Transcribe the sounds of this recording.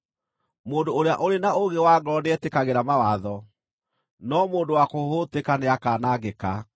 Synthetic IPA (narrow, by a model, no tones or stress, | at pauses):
moːndoːɾeaʔoɾenaoɣewaːɡɔneɛtekaɣeɾamawaðɔ | nɔmoːndowakohotekaneakaːnaɡeka